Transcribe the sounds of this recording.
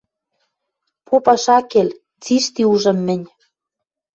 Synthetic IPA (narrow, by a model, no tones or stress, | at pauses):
popɑʃɑkel | t͡siʃt̪iuʒɤ̆mːɘ̆nʲ